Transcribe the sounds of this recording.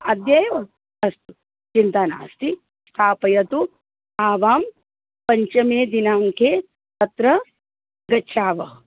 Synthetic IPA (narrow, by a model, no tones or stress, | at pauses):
ɐd̪jɐjʋɐ | ɐst̪u | t͡ʃint̪ana̰ːst̪i | st̪ʰaːpɐjɐt̪u | aːʋaːm | pɐɲt͡ʃɐmeːd̪inaːmkeː | t̪ɐt̪ɾɐ | ɡɐʃʰaːʋɐ